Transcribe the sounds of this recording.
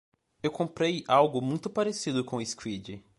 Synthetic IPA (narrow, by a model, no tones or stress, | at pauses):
ewkõmpɾejawɡʊmũj̃t̪ʊpaɾesid̪ʊkõɪskwid͡ʒɪ